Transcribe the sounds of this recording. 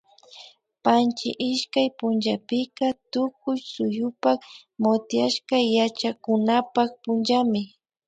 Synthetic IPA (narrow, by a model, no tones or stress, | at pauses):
pant͡ʃɪ̰ʔɪʃkajpʊnʒapɪkat̪ʊk̚ʊjsʊjʊpak | mot̪jaʃkajat͡ʃakʊnapak̚pʊnʒamɪ